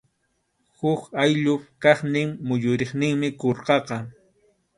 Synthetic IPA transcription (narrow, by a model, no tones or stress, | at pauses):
hʊkajʎʊpkɑχnɪŋmʊʎʊɾeχnɪŋmɪkoɾqɑqɑ